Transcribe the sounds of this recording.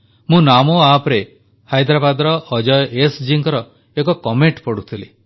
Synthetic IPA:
mũnamoapɾe | hajd̪ɾabad̪ɔɾɔʔːd͡ʒɔjesd͡ʒiŋkɔɾɔ | ekɔkɔmeɳʈpɔɽut̪ʰili

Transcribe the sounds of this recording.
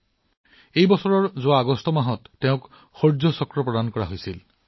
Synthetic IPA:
ejbɔsɔɹɔɹzowaːɡɔstɔmaɦɔtːeʊ̃k | xoɹzɔsɔkɹɔpɹɔd̪ankɔɹaɦojsil

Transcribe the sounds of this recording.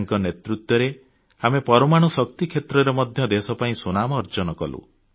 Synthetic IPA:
ŋkɔnet̪ɾut̪wɔɾe | amepɔɾɔmaɽ̃usɔk̚t̪ikʰet̪ɾɔɾemɔd̪ʱjɔd̪esɔpaĩsunamɔːɾd͡ʒɔnɔkɔlṵ

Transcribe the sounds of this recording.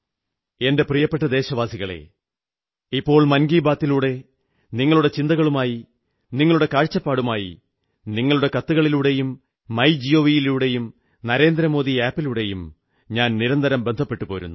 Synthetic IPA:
e̞nde̞prijɐpːe̞ʈːɐd̪e̞ːɕɐʋaːsiɣɐɭe̞̰ | ipːo̞ːɭmɐnɡiːbaːt̪ːiluːɽe̞ | niŋːɐɭuɽe̞t͡ɕind̪ɐɣɐɭumaːji | niŋːɐɭuɽe̞kaːɻt͡ɕːɐpːaːɽumaːjḭ | niŋːɐɭuɽe̞kɐt̪ːuɣɐɭiluːɽe̞jumː | ɐjd͡ʑijo̞ːʋijiluːɽe̞jum | nɐɾe̞ːnd̪ɾɐmo̞ːd̪iaːpːiluːɽe̞jum | ɲaːnniɾɐnd̪ɐɾɐmbend̪ʱɐpːe̞ʈːupo̞ːɾunːu

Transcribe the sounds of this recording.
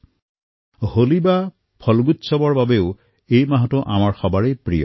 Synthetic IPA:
holiba | pʰɔlɡutsɔbɔɹbabeʊ | ejmaɦɔtɔʔa̰maɹxɔbaɹejpɹḭjɔ̰

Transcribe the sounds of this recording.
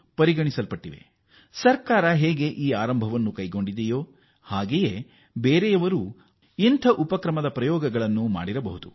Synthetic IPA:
pɐɾiɡɐɳisɐlpɐʈːiʋe̞̰ | sɐɾkaːɾɐɦeːɡeʔiːaːɾɐmbʱɐʋɐnːukɐjɡo̞ɳɖid̪ɛjo̞ː | haːɡejeː | beːɾɛjɐʋɐɾuː | int̪ʰɐʔupɐkɾɐmɐd̪ɐpɾɐjɔːɡɐɡɐɭɐnːuma̰ːɽiɾɐbɐɦud̪u

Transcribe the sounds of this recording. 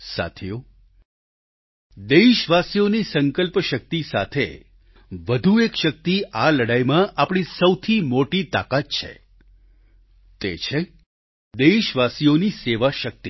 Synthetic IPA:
sa̰t̪ʰijo | d̪eʃʋasijonisə̃ŋkəlpəʃək̚t̪isa̰t̪ʰḛ | ʋəd̪ʱuekʃək̚t̪iʔaləɽajmãʔapɽ̃isəwt̪ʰimoʈit̪a̰kat̪̚t͡ʃʰḛ | t̪et͡ʃʰe | d̪eiʃʋasijoniseʋaʃək̚t̪i

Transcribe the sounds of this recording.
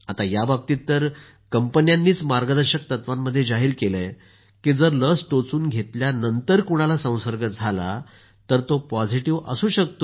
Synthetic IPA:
at̪ajabab̚t̪iːt̪ːəɾ | kəmpənjanːiːt͡smaɾɡəd̪əɾɕək̚t̪ət̪ʋamːəd̪ʱːjed͡zaɦiːɾkeləj | kiːd͡zəɾləsʈot͡suːnɡʱet̪ljanənt̪əɾkuɽ̃alasə̃w̃səɾɡət̪̚d͡zʱala̰ | t̪əɾt̪opɔd͡ziʈiʋə̰suːɕəkt̪o

